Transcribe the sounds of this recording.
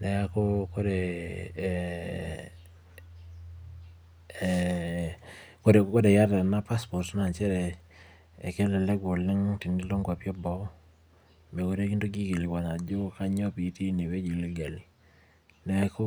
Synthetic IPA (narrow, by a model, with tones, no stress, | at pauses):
nɛ˨a˦kɔ˦ko˦ɾe˨ | ko˦e˨ko˦de˨ja˦da˨na˦pa˦spɔ˨ɾtna˨t͡ʃɛ˦ɾɛ˨ | ɛ̰˨kɛ˦lɛ˨lɛ˦ɡo˨li˦ŋti˨ndi˦lo˦ŋɡa˨pjɔ˦bɔ˦ | me˨ko˦ɾe˦ki˦ndo˦ɡi˦ki˨li˨wa˨ɲa˨d͡ʒo˦ka˦ɲɔ˦pi˨˦ti˦ne˨we˦d͡ʒi˨li˦ɡa˨li˨ | nɛ˨˦ko˦